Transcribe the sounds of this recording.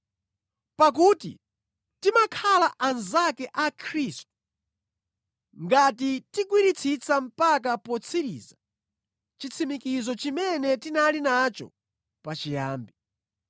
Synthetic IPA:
pak̬uːtḭ | timakʰalaʔanzakɛʔakʰɾistu̥ | ŋɡatitikwiɾit͡sʰit͡sam̩pak̬apɔt͡sʰiɾḭːza | t͡ʃit͡sʰimikizɔt͡ʃimɛnɛtinalinat͡ʃɔ̰ | pat͡ʃija̰ːmbi

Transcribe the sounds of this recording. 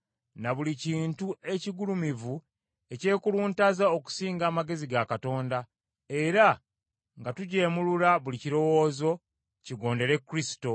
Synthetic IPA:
naβuliciːntue̞ciɡulumivu | e̞ce̞ːkuluːntazao̞ku̥siːŋɡaːmaɡe̞ziɡakato̞ːnda | e̞ɾa | ŋɡatuɟe̞ːmululaβuliciɾo̞wo̞ːzo̞ | ciɡo̞ːnde̞ɾe̞kːuɾisi̥to̞

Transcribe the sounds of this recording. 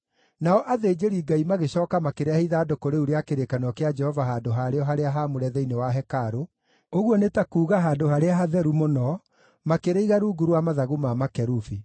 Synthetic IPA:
naɔʔaðeːd͡ʒeɾiːɡaimaɣeɕɔːkamakeɾeaheiðaːdokoɾeuɾeakeɾekanɔkead͡ʒɛhɔvaɦaːdoɦaɾeɔɦaɾeaɦamoɾɛðɛinewaɦɛkaɾo | oɣwɔnetakuːɣaɦaːndohaɾeaɦaðɛɾumonɔ | makeɾeiɣaɾuːɡuɾwamaðaɣumamakɛɾufi

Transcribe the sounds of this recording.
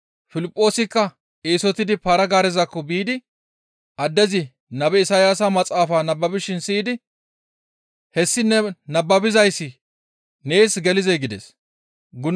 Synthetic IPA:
fɪlɪpʼːo̞ːsɪkːɐ | ʔeːsɔt̪ɪd̪ɪpaːɾɐɡaːɾɛzɐkːɔbiːd̪ɪ | ʔɐd̪ːɛzɪ | nɐbɛɪsaːjaːsamɐt͡sʼaːfaːnɐbːɐbɪʃɪnsiːd̪ɪ | hɛsːɪnːɛnɐbːɐbɪzɐjsːɪ | neːsɡɛlɪzɛjɡɪd̪ɛ̰s | ɡʊn

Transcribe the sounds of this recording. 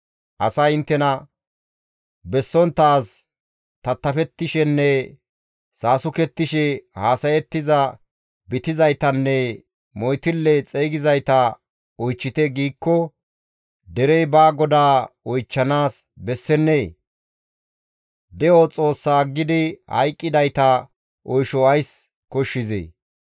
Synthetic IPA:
ʔɐ̰sɐjɪnt̪ːɛnɐ | bɛsːɔnt̪ːaːs | t̪ɐt̪ːɐfɛt̪ːɪʃɛnːɛ | saːsʊkɛt̪ːɪʃɛhaːsɐjɛt̪ːɪzɐ | bɪt̪ɪzɐjt̪ɐnːɛ | mɔjt̪ɪlːɛt͡sʼeːɡɪzɐjt̪ɐ | ɔjt͡ʃːɪt̪ɛɡiːkːɔ | d̪ɛɾɛjbaːɡɔd̪aːɔjt͡ʃːɐnaːsbɛsːɛnːeː | d̪ɛɔt͡sʼo̞ːsːaːɡːɪd̪ɪhɐ̰jkʼːɪd̪ɐjt̪ɐ | ʔɔjʃɔɐjs | kɔʃːɪzḛː

